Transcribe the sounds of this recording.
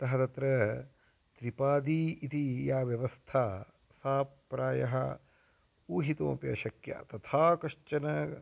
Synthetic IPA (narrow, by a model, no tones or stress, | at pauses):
t̪ɐɦɐt̪ɐt̪ɾɐ | t̪ɾipaːd̪iːit̪ijaːʋjɐʋɐst̪ʰaː | saːpɾaːjɐɦɐ | uːɦit̪õːpjɐ̰ʃɐkja̰ːt̪ɐt̪ʰaːkɐʃt͡ʃɐnɐ